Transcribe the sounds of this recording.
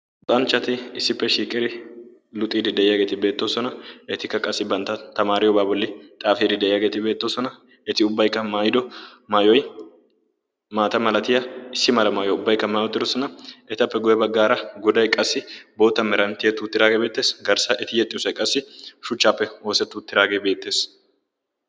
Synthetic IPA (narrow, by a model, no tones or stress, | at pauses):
t̪ʼɐnt͡ʃːɐt̪ɪɪsːɪpːɛʃiːkʼɪɾɪ | lʊt̪ʼiːd̪ɪd̪ɛɪjaːɡe̞ːt̪ɪbeːt̪ːoːsɔnɐɛt̪ɪkːɐkʼɐsːɪbɐnt̪ːɐt̪ɐmaːɾɪjɔbaːbɔlːɪt̪ʼaːfiːd̪ɪd̪ɛʔɪjaːɡe̞ːt̪ɪbe̞ːt̪ːoːsɔnɐ | ɛt̪ɪʊbːɐjkːɐmaːjɪd̪ɔmaːjɔj | maːt̪ɐmɐlɐt̪ɪjɐɪsːɪmɐlɐmaːjɔʊbːɐjkːɐmaːjɔt̪ːɪd̪ɔsɔnɐɛt̪ɐpːɛɡʊjɛbɐɡːaːɾɐɡʊd̪ɐjkʼɐsːɪbo̞ːt̪ːɐmɛɾɐnt̪ːɪjɛt̪ːʊːt̪ːɪɾaːɡebeːt̪ːe̞ːsɡɐɾsɐʔɛt̪ɪjɛt̪ʼːɪsɐjkʼɐsːɪʃʊt͡ʃːaːpːɛwo̞ːsɛt̪ːʊt̪ːɪɾaːɡeːbe̞ːt̪ːe̞ːs